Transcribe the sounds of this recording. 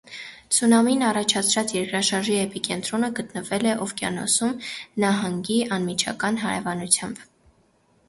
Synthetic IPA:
t͡sʰunɑminɑrɑt͡ʃʰɑt͡sʰɾɑt͡sjɛɾkɾɑʃɑɾʒiɛpikɛnt̪ɾɔnəɡət̪nəvɛlɛʔɔvkjɑ̰nɔ̰sumnɑɦɑŋɡiɑnmit͡ʃʰɑ̰kɑnɦɑɾɛ̰vɑnut͡sʰjɑmb

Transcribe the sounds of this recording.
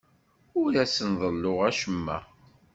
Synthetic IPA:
ʊɾæsənðˤəlːoʁæʃəmːæ̰

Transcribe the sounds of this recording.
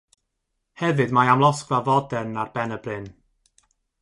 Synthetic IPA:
hɛvɨdmajamlˠɔsklavɔdɛnarbɛnəbrɪn

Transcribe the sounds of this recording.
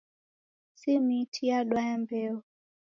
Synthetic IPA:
simitʰiaɗwaɛmbɛɔ

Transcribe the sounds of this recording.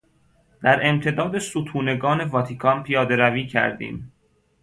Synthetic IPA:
d̪̥æɾe̞mt̪ʰe̞d̪ɒːd̪e̞sut̪ʰuːne̞ɡɒːne̞vɒt̪ʰikʰɒnpʰijɒːd̪e̞ɾæviːcʰæ̰ɾd̪ḭːm

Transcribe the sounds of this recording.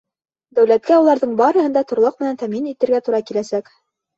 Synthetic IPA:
d̪æwlæt̪̚kæulˠɑɾðɤɴbɑɾɤ̆ɦɤ̆nd̪ɑt̪ŏɾlˠɤq̚mɘ̆nænt̪æminit̪ɘ̆ɾɡæt̪uɾɑkilæsæk

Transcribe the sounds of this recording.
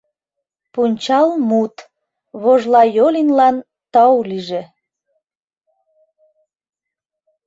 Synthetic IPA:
punʲt͡ɕɑlmut̪ | βoʒlɑjolinlɑn | t̪ɑwliʒe

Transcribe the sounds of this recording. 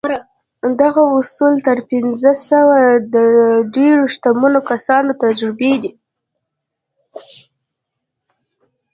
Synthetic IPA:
d̪aɣaʊsult̪əɾpɪnzəsəwad̪əɖeɾoʃt̪amunokasɑnot̪ad͡ʒɾɪbed̪i

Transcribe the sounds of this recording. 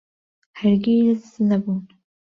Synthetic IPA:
hæɾɡiznɐbuːn

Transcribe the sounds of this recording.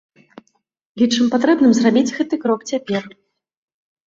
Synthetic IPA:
it͡ʂɨmpat̪ɾɛbnɨmzrabʲid͡zʲɣɛt̪ɨkɾɔkt͡sʲapʲɛr

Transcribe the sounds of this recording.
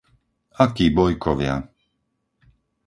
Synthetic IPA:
akiːbɔjkʰɔʋɪa̰

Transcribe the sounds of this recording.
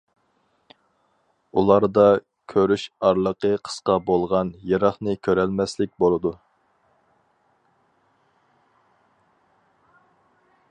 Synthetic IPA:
ulˠɑɾd̪ɑ | kʲʰøɾyʃɑɾlˠəqəqʰə̥sqɑbolˠʁɑnjeɾɑχnɨkʲʰøɾɛlmɛslɪk̚ʲbolˠɨd̪u

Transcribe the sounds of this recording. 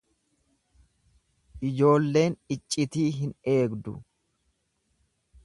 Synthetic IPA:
ʔɪd͡ʒo̞ːlːe̞ːnɪt͡ʃʼːɪt̪iːɦɪne̞ːɡd̪ʊ̰

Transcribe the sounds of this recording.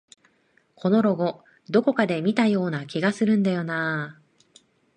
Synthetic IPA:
kʰo̞no̞ɾo̞ɡo̞ | d̪o̞ko̞kad̪e̞mʲit̪ajo̞ːnakʲiɡasɨɾɯ̟̃nd̪ajo̞naː

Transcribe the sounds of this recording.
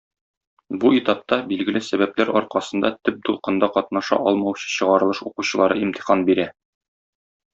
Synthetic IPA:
buit̪ɑp̚t̪ɑbilɡɘ̆lɘsæbæplæɾɒɾqɑsɤ̆nd̪ɑt̪ɵp̚d̪ulˠqɤ̆nd̪ɑqɒt̪̚nɑʃɑ̰ʔɒlˠmɑwɕɤ̥ɕɤ̆ʁɑɾɤ̆lˠɤʃuquɕɤ̆lˠɑɾɤimt̪i̥χɑnbiɾæ

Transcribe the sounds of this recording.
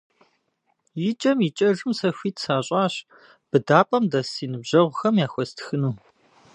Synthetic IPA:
jɪt͡ʃʼɐmit͡ʃʼɐʒɨmsɐxʷiːtʰsaːɕʼɑːɕ | b̥ɨdaːpʼɐmdɐsiːnɨbʑɐʁʷʊxɐmjaːxʷɔstʰxɨnuː

